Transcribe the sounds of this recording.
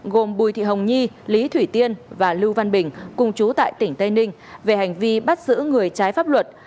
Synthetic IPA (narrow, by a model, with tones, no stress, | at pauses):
ɣo˨˩mɓu˨˩jt̪ʰḭ˧˨ɦə˨˩wŋ͡mɲi˧ | li˨˦t̪ʰwi˧˩t̪i˧ənvaː˨˩lɨ˧wva˧nɓï˧˩ŋ̟kʊ˨˩ŋ͡mt͡ɕu˨˦t̪a̰ː˧˨jt̪ï˧˩ŋ̟t̪ə˧jnï˧ŋ̟ | ve˨˩ha˨˩jŋ̟vi˧ɓa˦˥t̚zɨ̰˧˥ŋɨ˨˩əjt͡ɕaː˨˦jfaː˦˥p̚lwə˨˩t̚